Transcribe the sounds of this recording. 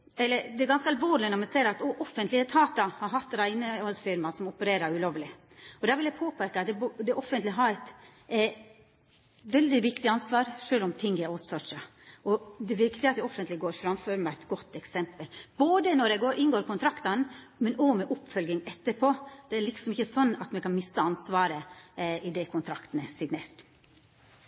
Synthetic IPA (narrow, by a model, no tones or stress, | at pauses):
ɛlːəɾd̪ɛɾɡɑnskəɑlʋoːɾɭɪənɔmɛseːɾɑt̪ɔʔɔfːənt̪lɪət̪ʰɑːt̪ɑhɑɾɦɑt̪ːɾæɪnəɔlsfɪɾmɑsɔmɔpəɾeːɾɑɾʉloːʋlɪ | ɔd̪æːɾʋɪljæɪpʰoːpʰeːkɑt̪d̪ɛbd̪ɛʔɔfənt̪lɪɦɑɾɛt̪ | ʋɛld̪ɪʋɪkt̪ɪɑnsʋɑːɾʂøːlɔmt̪ʰɪŋɡɛaʊt̪sɔʂɑ | ʔɔd̪ɛʋɪkt̪ɪɑt̪d̪ɔfːənt̪lɪɡoːɾfɾɑmføːɾəmæɛt̪ɡɔt̪ːɛksɛmpəlboːd̪ənɔɾɛɡoːɾʔɪnɡoːɾkʰʊnt̪ʰɾɑkt̪ɑn | mɛnɔmɛʔʊpːfœlɡɪŋɛt̪ːəɾpʰoːd̪̥ɛælɪksɔmɪçːəsɔnːɑt̪mɛkɑnmɪsːəɑnsʋɑːɾəɪd̪ɛkʰʊnt̪ʰɾɑkt̪n̩əsɪɡneːɾʈ̪